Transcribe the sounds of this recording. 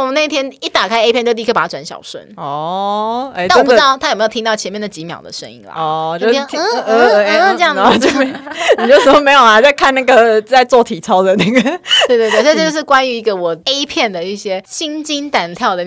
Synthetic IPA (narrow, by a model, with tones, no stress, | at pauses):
wna˥˧i˥t̪ʰjɛ˥ni˥˩t̪a˨˩kʰa˥ɪe˥pjɛ˥˧t͡ɕ̪ʰpa˨˩a˥ʈ͡ʂwa˧˥nɕjɑ̰˨˩ʊʂwə̰˥˩nɔ˧˩ | e˥˩˥wpu˥ɑ˥˩t̪ʰa˥jm˧˥˨tʰi˥ŋ˥˩ʊt͡ɕʰɛ˧nmjɛ˥˩d̪ə˩t͡ɕi˧˦˥mjɑ̰˨˩ʊd̪ə̰˩ʂə˥nḭ˧˥ŋlɐ̰˨ɔ˧˩t͡ɕo˥˧˩ə˧˩˧ʈ͡ʂə˥˧jɑ˥˨˩t͡ɕo˥˩me˧˥ni˨t͡ɕʂə˨˥˦mə˧˩me˧˥ɪjo˨˩la˧˥˩t͡sa˥˧kʰa˥˧na˥˩ɡə˨˩t͡sa˥˧ɪt͡swɔ˥˩t̪ʰi˨˩t͡sʰɑ˥ʊd̪ə˨˩na˥˩ɡə˩we˥˧t̪we˧t̪st͡ɕjo˥˧ʂ̩˥˩kwa˦ny˧˥i˧˥ɡə˧wɔ˨˩e˥ɪpʰjɛ˥˩nd̪ə˩i˥˩ɕjɛ˥ɕi˥ŋt͡ɕi˥nt̪a˨˩nt̪ʰjɑ˥˩ʊd̪ə˩